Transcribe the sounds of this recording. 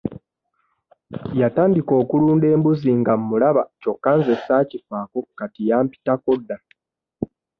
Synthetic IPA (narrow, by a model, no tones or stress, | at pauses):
jataːndiko̞ːkuluːnde̞ːmbuziŋɡamːulaβaco̞kːaːnzesaːcifaːko̞katijaːmpi̥tako̞dːa